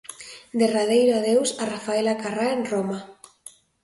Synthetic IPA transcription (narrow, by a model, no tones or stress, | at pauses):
d̪erað̞ejɾoaðewsarafaelakaraenroma